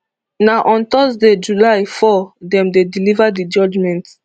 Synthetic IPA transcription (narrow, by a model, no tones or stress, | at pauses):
naʔɔ̃nt̪ɔsded͡ʒulaɪfɔdɛ̃mdedilivadid͡ʒɔd͡ʒmɛ̃nt